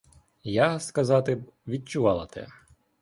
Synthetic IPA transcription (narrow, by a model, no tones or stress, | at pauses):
jaskɐzɑt̪ɪʋʲid̚t͡ʃʊʋɑlˠɐt̪ɛ̰